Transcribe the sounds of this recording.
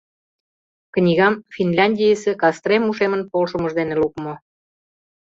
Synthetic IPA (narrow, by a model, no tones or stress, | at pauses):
knʲiɣɑmfinlʲɑnʲdʲijəsĕkɑst̪remuʃemənpolʃə̆mə̆ʃd̪enelukmo